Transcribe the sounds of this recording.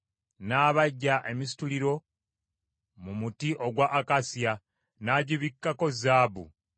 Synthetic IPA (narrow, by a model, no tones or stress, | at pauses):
naːβaɟːaʔe̞mis̬i̥tuliɾo̞ | mumutiʔo̞ɡwaʔːkasja | naːɟiβikːako̞zaːbṵ